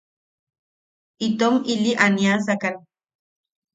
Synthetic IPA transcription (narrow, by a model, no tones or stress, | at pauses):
it̪omiliʔanias̬akan